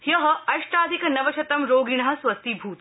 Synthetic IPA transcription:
jɐɦɐɐʃʈaːd̪ʱikɐnɐʋɐt͡ʃʰɐt̪ɐmɾoːɡiɳɐɦɐswɐst̪ibʱuːt̪

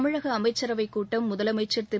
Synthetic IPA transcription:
mɪɻɐɣɐːmɐɪt͡ʃːɐɾɐʋɐɪkːuːʈːɐmːʊðɐlɐmɐɪt͡ʃːɐɾt̪ɪ

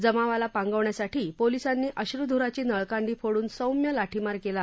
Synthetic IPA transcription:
d͡zəmaʋalapãŋɡəʋɳjasaʈiːpolisanːiːʔəɕɾud̪ʱuɾat͡ɕiːnəɭkaɳɖiːfoɽuːnsəwmjəlaʈʰimaɾkela

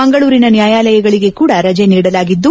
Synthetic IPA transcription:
ɐŋɡɐɭuːɾinɐnjaːjaːlɐjɐɡɐɭiɡe̞kuːɽɐɾɐd͡ʒeniːɽɐlaːɡid̪ːu

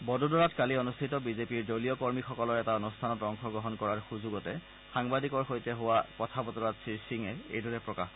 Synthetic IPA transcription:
bɔdudɔɹatkalionustʰitɔbizepiɹdoliɔkɔɹmixɔkɔlɔɹɛtaɔnustʰanɔtɹɔŋxɔɡɹɔɦɔnkɔɹaɹxuzuɡɔtɛ | xaŋbadikɔɹxojtɛɦʊwakɔtʰabɔtɔɹatsisiŋɛḛjdɔɹɛpɹɔkax

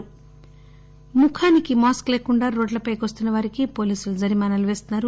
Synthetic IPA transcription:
mukʰaːnikimaːskle̞ːkuɳɖaːɾo̞ːɖlɐpɐjkʋost̪unːɐʋaːɾikipo̞ːliːsulud͡ʒɐɾimaːnɐluʋe̞ːst̪unːaːɾu

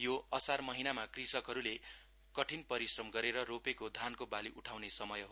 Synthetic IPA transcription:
joʌsarmʌɦinamakrisʌkɦʌɾule | kʌʈʰinpʌɾisrʌmɡʌɾeɾʌropekod̪ʱankobaliʔuʈʰawnesʌmʌjɦo

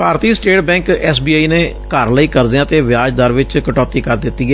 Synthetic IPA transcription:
paːɾt̪iːsʈeːʈbɛ̃ːŋkɛːsbiaːiːneː | kəɾləiːkəɾd̪eãːt̪eːʋɪaːd͡ʒd̪aːɾʋɪt͡ʃkəʈɔːt̪iːkəɾd̪ɪt̪ːiːɛ

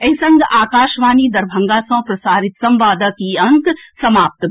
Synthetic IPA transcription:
ɐɦisɐ̃ŋɡaːkaːʃʋaːniːd̪ɐɾbʱɐ̃ŋɡaːsɐ̃ːpɾɐsaːɾɪt̪sɐ̃mʋaːd̪akiɐ̃ŋk̪sɐmaːp̚t̪

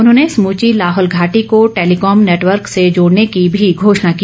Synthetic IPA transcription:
ʊnɦõːneɪsmũːt͡ʃilaːɦɔːlɡʱaːʈikoʈeːlikɔːmneːʈʋəɾksed͡ʒoːɽnekibʱiɡʱoːʃnaki

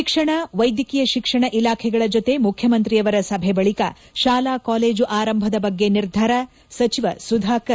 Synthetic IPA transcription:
ʃikʂɐɳɐʋɐjd̪jɐkijɐʃikʂɐɳɐʔilaːkʰɛɡɐɭɐd͡ʒot̪e̞mukʰjɐmɐnt̪ɾijɐʋɐɾɐsɐbʱebɐɭikɐ̰ | ʃaːlaːkaːleːd͡ʒuʔaːɾɐmbʱɐd̪ɐbɐɡːeniɾd̪ʱɐɾɐ | sɐt͡ʃiʋɐsud̪ʱaːkɐɾ

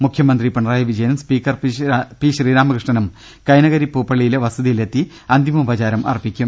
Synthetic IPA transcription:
mukʰjɐmɐnd̪ripɐɳɐraːjɐʋid͡ʑɐjɐnɐmspiːkːɐrpiːɕriːɾaːmɐkrɨʂʈɐnɐm | kɐjnɐɣɐɾipːuːpːɐɭijileʋɐsɐðijile̞t̪ːi | ɐnd̪ʱjimɐubɐt͡ɕaːɾɐmʔɐ̰rpːikʲːum

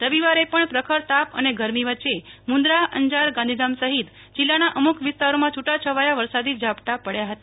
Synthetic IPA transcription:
ɾəʋiʋaɾepəɳpɾəkʰəɾt̪apə̰neɡəɾmiʋətːt͡ʃːemũnd̪ɾaə̰ɲd͡ʒaɾɡãnd̪ʱid̪amsəɦit̪ | d͡ʒɪlːanaʔəmukʰʋɪst̪aɾomãt͡ʃʰuʈat͡ʃʰəʋajaʋəɾsad̪id͡ʒapʈapəɽjaɦət̪a

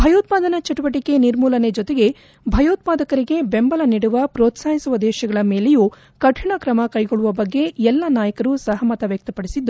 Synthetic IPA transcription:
bʱɐjoːt̪̚paːd̪ɐnɐt͡ʃɐʈuʋɐʈike̞niɾmuːlɐne̞d͡ʒɔt̪e̞ɡe̞ | bʱɐjoːt̪̚paːd̪ɐkɐɾiɡe̞be̞mbɐlɐniːɽuʋɐpɾoːt̪saːɦisuʋɐd̪ɛːʃɐɡɐɭɐme̞ːle̞ju | kɐʈʰiɳɐkɾɐmɐkɐjɡoɭuʋɐbɐɡːe̞ɛlːɐnaːjɐkɐɾusɐɦɐmɐt̪ɐʋjɐk̚t̪ɐpɐɽisid̪ːu

